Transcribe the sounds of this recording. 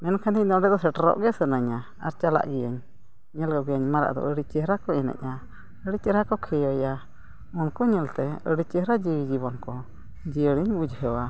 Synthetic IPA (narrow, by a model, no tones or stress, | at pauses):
mɛnkʰand̪inɔɖɛd̪ɔsɛʈɾɔ̰ʔɡɛsənaɲa | a̰ɾt͡ʃala̰ʔɡɛjəɲː | ɛlkɔɡɛjəɲmaɾa̰ʔd̪ɔ̰ʔəɽit͡ʃɛɾakɔɛnɛ̰ɲa | əɽit͡ʃɛɾhakɔkʰɛjɔja | ɔnkɔɲɛlt̪ɛəɽit͡ʃəhɾad͡ʒiwid͡ʒiβɔnkɔ | d͡ʒiəɽiɲud͡ʒɦɛwa